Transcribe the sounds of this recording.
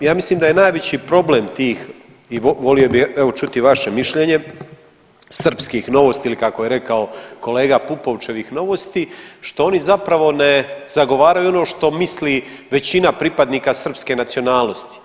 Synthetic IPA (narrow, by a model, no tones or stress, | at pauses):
jaːmisliːmd̪aje̞naːjʋet͡ɕipɾo̞blemt̪iːx | iʋo̞lio̞bixeʋo̞t͡ʃut̪iʋaʃe̞miʃʎe̞ɲe̞ | sr̩pskixno̞ʋost̪iilikakoje̞ɾe̞kao̞ko̞le̞ːɡapupo̞ʋt͡ʃe̞ʋixno̞ʋost̪iʃt̪o̞o̞nizapɾaʋo̞ne̞z̥aɡo̞ʋaːɾajuo̞no̞ːʃt̪o̞misliː | ʋe̞t͡ɕinapɾipad̪niːkasr̩pske̞nat̪sio̞naːlˠnost̪i̥